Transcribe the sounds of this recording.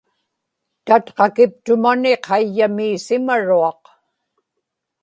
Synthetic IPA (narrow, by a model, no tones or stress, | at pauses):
t̪at̪qɑkɪp̚t̪ʊmaneqʰɑjːamiːsɪmaɻuɑq